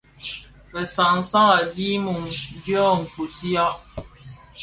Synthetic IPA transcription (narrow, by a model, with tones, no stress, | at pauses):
pɛ˨sã˨n̩˦sã˦a˨di˦mu˨ŋd͡ʒjɔ˦˨ŋ̩˨ku˨si˦a˦